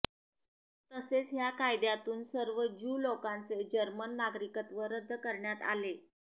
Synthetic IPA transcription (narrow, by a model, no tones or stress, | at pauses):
t̪əset͡sɦjakajd̪jat̪uːnsəɾʋəd͡ʑuːlokãnt͡sed͡ʑəɾmənːaɡɾikət̪ʋəɾəd̪ʱːəkəɾɳjat̪a̰le